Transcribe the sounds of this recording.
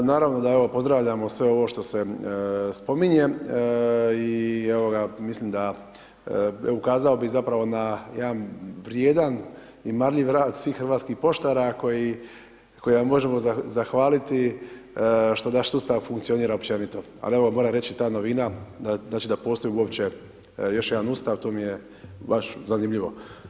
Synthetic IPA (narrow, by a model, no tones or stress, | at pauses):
naːɾaʋno̞d̪ae̞ʋo̞po̞zd̪ɾaʋʎamo̞sʋe̞o̞ʋoʃt̪o̞se̞spo̞miɲe̞ | ie̞ʋo̞ɡamislimd̪a | eoukaːzaobizapɾaʋo̞najed̪anʋɾjeːd̪an | imaɾʎiʋɾaːd̪sʋiːxxrɾʋaːt̪skixpo̞ʃt̪aɾako̞ji | ko̞jiʋamːo̞ʒemo̞zazaxʋaːlit̪i | ʃt̪onaʃsuːst̪aʋfuŋkt̪sio̞niːɾaopt͡ʃe̞nit̪o̞ | a̰lieo̞ɡamoɾaɾe̞t͡ʃit̪aːno̞ʋinad̪aznaːt͡ʃid̪apo̞ːst̪o̞jiuo̞pt͡ɕe̞ | jo̞ʃjed̪anuːst̪aʋt̪oːmije | baʃzanimʎiʋo̞